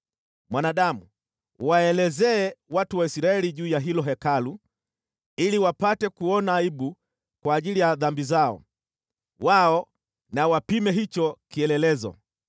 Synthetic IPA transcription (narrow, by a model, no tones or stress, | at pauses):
mwanaːɗamṵ | waɛlɛzɛɛwatuwaisiɾaɛliʄuːjaɦilɔɦɛkalu | iliwapatɛkuɔnaːiɓu | kwaːʄilijaðambizaɔ̰ | waɔ | nawapimɛɦit͡ʃɔkiɛlɛlɛzɔ̰